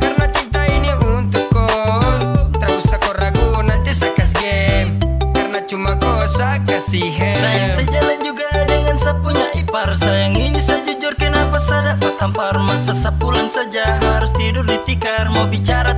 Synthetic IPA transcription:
karnat͡ʃint̪ainiʔunt̪ukːɔ | t̪ərusakɔɾaɡunant̪isakas̬ɡɛmkarnat͡ʃumakɔsakasiɦəsajaŋsad͡ʒaland͡ʒuɡadɛŋansapuɲaiparsajaŋiɲusad͡ʒud͡ʒurkanapasadapat̪ampaɾmasasapulansad͡ʒaɦaɾust̪idurdit̪ikarmawbit͡ʃaɾa

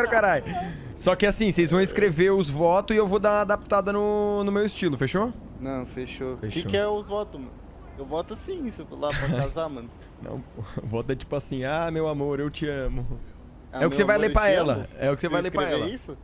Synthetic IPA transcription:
ɛɾʊkaɾajʊ | sɔkɪasĩsejzvɐ̃w̃ĩskɾeveɾʊzvɔt̪ʊzɪewvod̪aad̪ap̚t̪ad̪ɐnʊnʊmewɪst͡ʃilʊfeʃonɐ̃w̃feʃofeʃkɪoɛʊzvɔt̪ʊmɐ̰̃nʊ | ewvɔt̪ʊasĩisʊlapɾɐazamɐ̃nʊ | nɐ̰̃w̃ʊvɔt̪ʊɛt͡ʃi̥pʊasĩamewamoɾewt͡ʃɪɐ̃mʊ | aɛʊkɪsevajlepɾaɛlɐ̰ɛʊkɪ̥sevajleɾpɾaɛllɐisʊ

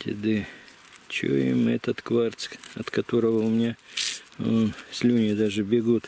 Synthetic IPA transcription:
t̪ʲɪ̰d̪ɨ | t͡ɕo̰ḭmɛ̰t̪ət̪kvart̪sʲkɐt̪kɐt̪o̞ɾəvəʊmʲɪnʲa | sʲlʲunʲɪɪd̪aʐɨbʲɪɡut̪

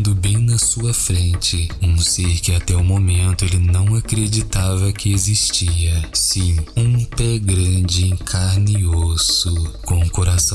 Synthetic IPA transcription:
d̪ʊbẽj̃nɐsuɐfɾẽnt͡ʃɪũseɾkɪat̪ɛʊmomẽnt̪ʊelɪnɐ̃w̃akɾed͡ʒit̪avɐkɪezist͡ʃiɐsĩũpɛɡɾɐ̃d͡ʒɪẽŋkʰaɾniozʊkõkoɾasɐ

